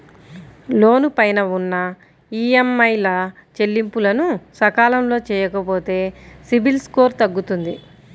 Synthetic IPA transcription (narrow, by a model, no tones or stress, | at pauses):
lo̞ːnupɐjnɐunːɐ | iːemːɐjlɐ | t͡ʃe̞lːimpulɐnusɐkaːlɐmlo̞ːt͡ʃɛːjɐkɐpo̞ːt̪e̞ːsibilsko̞ːɾt̪ɐɡːut̪und̪i